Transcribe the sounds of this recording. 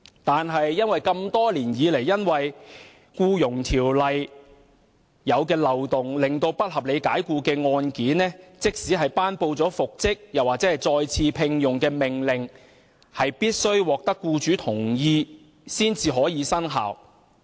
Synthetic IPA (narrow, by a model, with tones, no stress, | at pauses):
t̪aː˨nɦɐ˨jːɐ˥nwɐ˨jkɐ˧mt̪ɔː˥liː˨˩njiː˨˧le˨˩jːɐ˥nwɐ˨j | kuː˧jʊ˨˩ŋt̪ʰiː˨˩wlɐ˨j | jɐ˨˧wkɛː˧lɐ˨wt̪ʊ˨˩ŋlɪ˨˩ŋt̪o˧wpɐ˥t̚hɐ˨p̚le˨˧jkaː˨˥jkuː˧kɛː˧ŋɔː˧nkiː˨˥nːɛː˥t͡sɪ˥k̚siː˨˥ɦɐ˨jpaː˥npo˧wt͡sɔː˨˥fʊ˨k̚t͡sɪ˥k̚jɐ˨waː˨˩t͡sɛː˨˥hɐ˨jt͡sɔː˧jt͡sʰiː˧pʰɪ˧ŋjʊ˨˩ŋkɛː˧mɪ˨˩ŋlɪ˨ŋ | hɐ˨jpiː˥t̚sɵ˥ɥwɔː˨k̚t̪ɐ˥kːuː˧t͡ʃyː˨˥t̪ʰʊ˨˩ŋjiː˧ | siː˥nt͡siː˧ɦɔː˨˥jiː˨˧sɐ˥nɦa̰ː˨˩w